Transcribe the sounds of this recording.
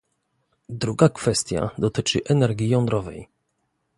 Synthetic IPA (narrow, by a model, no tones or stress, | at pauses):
d̪ɾuɡakfɛst̪ʲja̰d̪ɔt̪ɘt͡ʂɘ̰ʔɛnɛɾɡʲjijɔnd̪ɾɔvɛ̰j